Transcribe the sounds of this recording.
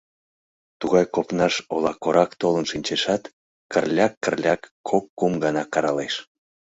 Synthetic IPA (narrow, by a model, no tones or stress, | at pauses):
t̪uɣɑjkopnɑʃolɑkoɾʔɑkt̪olənʃinʲt͡ɕeʃɑt̪ | kərlʲɑkːərlʲɑkːʰokːumɡɑnɑkɑɾɑleʃ